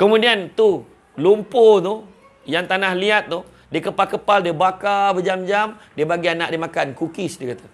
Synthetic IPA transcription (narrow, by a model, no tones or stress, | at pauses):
kəmũdiant̪u | lumpot̪uh | jaŋt̪anahliat̪̚ːuh | diəkəpalkəpaldiəbakabəd͡ʒamd͡ʒamdiəbaɡianaʔdiəmakankukisdikat̪ḁ